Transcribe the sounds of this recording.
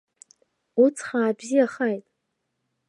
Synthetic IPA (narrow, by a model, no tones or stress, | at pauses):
ut͡sʰχaːbzijaχajtʼ